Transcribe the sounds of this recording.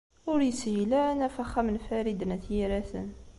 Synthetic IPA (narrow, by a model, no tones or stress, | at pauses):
ʊɾjəshilænæfæχæmənfæɾid̪ənæθjiɾæθə̰n